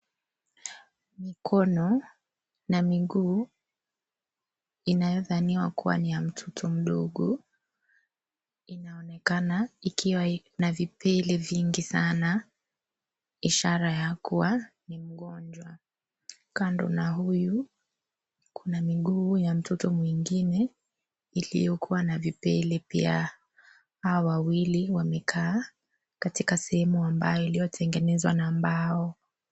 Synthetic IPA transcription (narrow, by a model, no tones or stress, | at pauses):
mikʰɔnɔ | namiɠuː | inajɔðaniwakuwa̰nijam̩tʰɔtʰɔm̩ɗɔɠɔ | inaɔnɛkanaikʰiwa | navipʰɛlɛviŋɡisana | iʃaɾajakuwa | nim̩ɠɔnd͡ʒwa | kandɔ̰naɦuju | kʰunamiɠuːjam̩tɔtɔmwiŋɡinɛ | ilḭjɔkʰuwanavipɛ̰lɛpia̰ | hawawawiliwamɛkʰaː | katikasɛhɛmuambajɔilijɔtʰɛŋɡɛnɛzwa̰naːmbaɔ